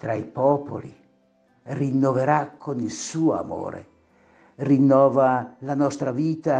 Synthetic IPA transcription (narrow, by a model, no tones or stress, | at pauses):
t̪ɾaipɔpʰo̰lḭ | rinːoveɾakʰːonilsuːoa̰mo̰ːɾḛ | rinːɔːvalanɔst̪ɾaviːt̪a